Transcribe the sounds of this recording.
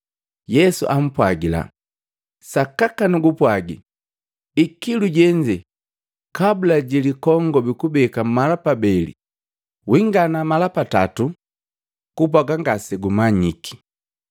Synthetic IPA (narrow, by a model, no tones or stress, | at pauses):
jɛsuʔam̩pwaɡila̰ | sakakanuɡupwaɡḭ | ikiluɟɛɲd͡ʒɛ | kabulaɟilikɔŋɡɔbikubɛkamalapabɛlḭ | wiŋɡanamalapata̰tu | kup̬aɡaŋɡasɛɡumaɲiki̥